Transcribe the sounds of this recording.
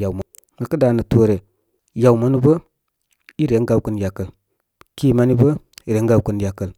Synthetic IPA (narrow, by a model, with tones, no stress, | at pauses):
ja˨m˨ | nə˨kə˦da˨nə˨to˦ɾe˨ | ja˨u˨ma˦ni˦bə˦ | i˦ɾe˨˦ŋɡa˨wkə˨nja˨kə˨l | ki˦ma˦ni˦bə˦˨ɾe˨˦ŋ˦ɡa˨wkə˨nja˨kə˨l